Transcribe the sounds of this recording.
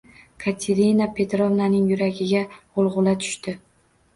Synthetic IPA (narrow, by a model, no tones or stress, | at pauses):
kʰat̪ʰe̞ɾinapʰe̞t̪ɾovnanɪŋjʊɾaɡʲɪɡʲaolˠʁʊlˠat̪ʰʊ̥ʃt̪ɪ